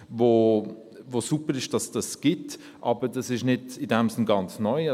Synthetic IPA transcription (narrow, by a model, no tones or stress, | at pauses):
voː | vosupəɾɪʃd̥ɑsd̥ɑsɡ̥ɪt | ʔɑːbəd̥ɑsɪʃnɪdɪdɛmsɪnɡɑnt͡snɔʏ